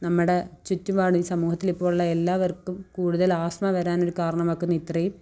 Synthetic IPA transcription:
nɐmːɨɽet͡ɕutːumaːɳɨisɐmuːhɐt̪ːilipːoːɭuɭːɐelːaːʋɐrkːumkuːɽuðɐlaːsmɐʋɐɾaːno̞ɾukaːɾɐɳɐmɐkːunːɐit̪rɐjum

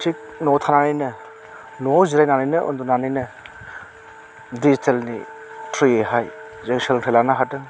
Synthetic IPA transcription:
tʰik̚nɔt̪ʰananɯjnɯ | nuawziɾajnanɯjnɯʔɔ̰nd̪unanɯjnɯ | ditʰelnḭtʰɾieɦaj | zeŋseltʰelanaɦatɯŋ

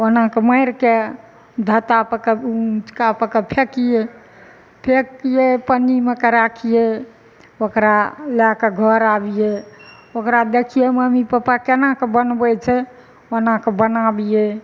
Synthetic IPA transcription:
onãkeməɪɾke | d̪ʱət̪apəkeut͡ʃkapəkepʰekije | pʰekijepənimekeɾakʰije | okɾalɛkeɡʱəɾabije | okɾad̪ekʰijeməmipəpakenakebənbɛt͡ʃʰɛ | onãkebənabije

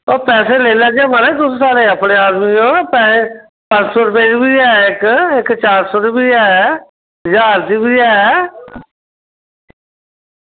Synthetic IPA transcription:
oːpɛːseːleːləɡaːməɾet̪ʊsːsaːleːəpɽeːaːd̪miːõːpɛːe | pə̃nt͡ʃsoːɾʊp̬eːd͡ʒibiːɛːɪkɪkt͡ʃaːɾsoːɾʊpiːɛː | ɦəd͡ʒaːɾd͡ʒiːbiːɛː

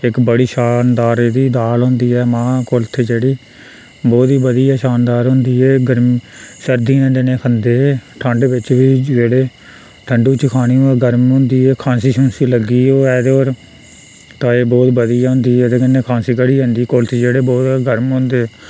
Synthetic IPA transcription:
ɪkbəɽiːʃaːnd̪aːɾeːd̪iːd̪aːlɦõːnd̪iːɛːmãːkolt̪ʰeːd͡ʒeːɽiː | bɔːt̪iːbəd̪iːɛːʃaːnd̪aːɾɦʊ̃ːnd̪iːɛːɡəɾmiːsəɾd̪iːɛ̃nd̪eːnẽːkʰənd̪eːʈʰə̃ɳɖʋɪt͡ʃʋiːd͡ʒeːɽeː | ʈʰəɳɖuːt͡ʃəkʰaːɽ̃iːɛːɡəɾmɦõːnd̪iːɛːkʰãːsiːʃənsiːləɡiːoːɛːd̪eoːɾ | t̪ãːeːbɔːt̪bəd̪iːaːɦʊ̃ːnd̪iːɛd̪eːkənːeːkʰãːnsiːkəɽiːɦə̃ːnd̪iːkolt̪ʰeːd͡ʒeːɽeːbɔːt̪ɡəɾmɦõːnd̪eː

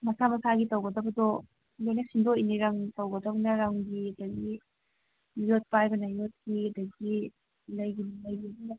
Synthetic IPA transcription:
mɐsamɐsaɡitɐwɡɐdɐbɐdɔ | lojnɐsindoiniɾaŋtɐwɡɐdɐbɐnɐɾaŋɡiɐdɐɡi | jot̚pajbɐnajot̚kiɐdɐɡi | lɐjɡinlajɡibin

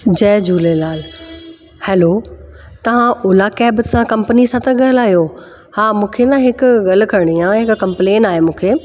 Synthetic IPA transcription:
d͡ʑɛːd͡ʑuːlelaːl | hɛːloː | t̪ɐʋ̤ãʔʊːlakɛːbsãkɐ̃mpənisãt̪ɐɠɐɦlaːɦijo | haːmũːkʰenãɦɪkʊɣɐl̤ʊ̆kʰɐɾɽ̃iãːɦɪkkɐ̃mpleːnaːɦemũːkʰeː

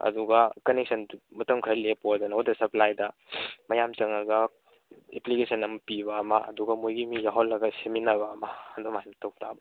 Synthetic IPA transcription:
ɐ̰duɡɐkɐnek̚sɐnmɐtɐmkʰɐlepoɐdunɐodɐsɐplajdɐmɐjamt͡ʃɐŋɐɡɐ | ḛplikesʰɐnɐmɐpiβɐːmɐɐ̰duɡɐmojɡimijaɦolːɐɡɐseminɐbɐːmɐandomaimtowtʰa̰bɐ

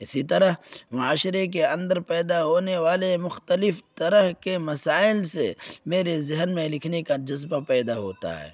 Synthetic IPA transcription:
ɪsit̪ɐɾəɦmʊaːʃɾek̬eɐ̃nd̪əɾpɛːd̪aɦoːneʋaːlemʊxt̪əlɪft̪ɐɾəɦkemɐsaːɪlsḛmeːɾezɪɦənmẽlɪkʰnekad͡ʒɐzbapɛːd̪aɦo̰ːt̪a̰ɦɛ̰ː

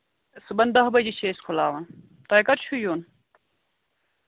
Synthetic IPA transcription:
sɨbɐnd̪ɐɦbɐd͡ʑiɕʰeːskʰulaːʋɐn | t̪ɐjkɐɾt͡ʃʰujuːn

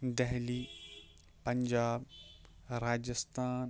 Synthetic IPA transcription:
d̪ɛɦliː | pɐɲd͡ʒaːb | ɾaːd͡ʒəst̪ʰaːn

